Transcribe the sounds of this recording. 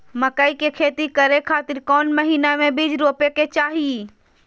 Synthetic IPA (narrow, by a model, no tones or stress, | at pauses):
məkaikekʰeːt̪ikəɾekʰaːt̪ɪɾkɔːnməɦiːnamẽbid͡ʒɾoːpeket͡ʃaːɦie